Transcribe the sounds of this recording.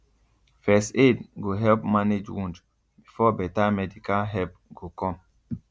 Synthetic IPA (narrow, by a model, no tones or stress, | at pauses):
fɛstedɡoɦɛlpmaned͡ʒwũnd͡ʒ | bifɔbɛtamɛdikalɦɛp̚ɡ̥okɔ̃m